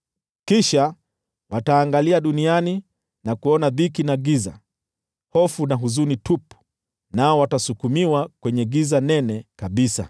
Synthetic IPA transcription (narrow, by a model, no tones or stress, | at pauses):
kiʃa | wataːŋɡaliaɗuniani | nakuɔnaðikinaɡiza̰ | hɔfunaɦuzunitupu̥ | naɔwatasukumiwakwɛɲɛɡizanɛnɛkaɓisa̰